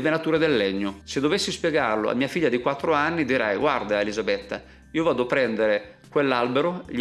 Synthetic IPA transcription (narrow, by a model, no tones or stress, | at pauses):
venat̪uːɾed̪elːɛɲːosed̪ːovesːispjɛɡarlo̰a̰mːiːafiʎːad̪ikwat̪ːɾoanːid̪iɾɛjɡward̪aelizabɛt̪ːa̰ | iːovaːd̪opɾɛnd̪eɾe | kwelːalbeɾoʎ